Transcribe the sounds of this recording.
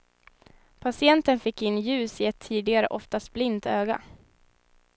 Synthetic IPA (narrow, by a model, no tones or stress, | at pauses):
pʰasɪɛnt̪ənfɪkːɪnːjʉ̟ːsɪɛt̪ʰːiːd̪ɪɡaɾə̰ʔɔft̪ast̪̚blɪnt̪øːɡa̰